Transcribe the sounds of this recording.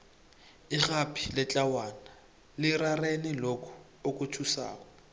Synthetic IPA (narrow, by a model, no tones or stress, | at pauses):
ɪɣapʰʼi̥lɪt͡ɬʼawana | lɪrarenɪlokʰɔ̥ | okʼʊtʰusa̰ːka